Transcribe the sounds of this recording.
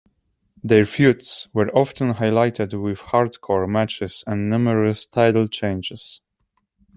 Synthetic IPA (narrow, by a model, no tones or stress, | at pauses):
ðɛɹfjutswɛɹʔɔftə̃nɦajlajtʰɪdwɪð̥haɹt̪kʰɔɹmæt͡ʃɪsɛ̃nnuməɹəstʰaɪɾl̩ˠt͡ʃẽɪ̃nd͡ʒɪs